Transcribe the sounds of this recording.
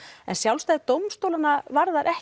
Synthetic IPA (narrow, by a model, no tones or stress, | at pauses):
ɛ̰nsjawlst̪ajðɪt̪owmst̪owlanavaɾðaɾʔɛh